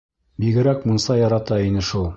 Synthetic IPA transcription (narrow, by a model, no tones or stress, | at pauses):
biɡɘ̆ɾækmunsɑjɑɾɑt̪ɑinɘʃulˠ